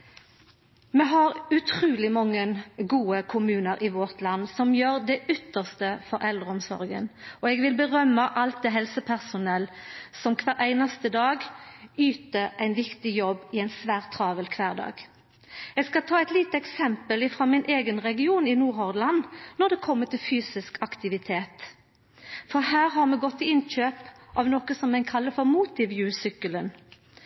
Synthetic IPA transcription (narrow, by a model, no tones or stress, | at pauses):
mɛɦɑʁʉt̪ʰʁʉːlɪmɑŋːənɡuːəkʰʊmʉːnəɾʔɪʋɔʁt̪lɑnːsɔmjøːʁd̪ɛʔʏt̪ːəʁst̪əfɔɾʔɛld̪ʁəɔmsɔ̰ʁɡə̰nɔɛɡʋɪlbəʁœmːəʔɑlt̪̚d̪ɛɦɛlsəpʰæʁsʊnɛlsɔmkʰʋæːʁʔæɪnɑst̪əd̪ɑːɡyːt̪əɾæɪnʋɪkt̪ɪjɔbːɪæɪnsʋæːʁt̪ʰːɾɑːʋəlkʰʋæːʁd̪ɑ̰ːɡ | ɛɡskɑlt̪ʰɑːɛɪt̪liːt̪əɛksɛmpəlɪfʁɑːmɪnʔeːɡənʁɛɡɪuːnɪnuːɾɔʁd̪lɑnːɔʁd̪ɛːkʰɔmːət̪ɪlfyːsɪskʰɑkt̪ɪʋɪt̪ʰeːt̪ | fɔʁhæːʁɦɑʁmɛɡɔt̪ʰːɪɪnc͡çøːpʔɑʋnɔkəsɔmːɛɪkʰɑlːəfɔʁmuːt̪ɪʋjʉːsʏkːələn